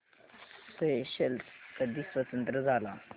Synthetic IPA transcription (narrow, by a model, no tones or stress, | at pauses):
səeɕelkəd̪isʋət̪ənt̪ɾəd͡zala